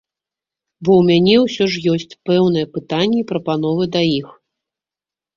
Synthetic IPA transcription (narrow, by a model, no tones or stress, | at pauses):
bɔwmʲanʲɛwsʲɔʂ̬jɔsʲt͡sʲpɛwnɨjɛpɨt̪anʲːɛipɾɐpan̪ɔvɨd̪ɐjix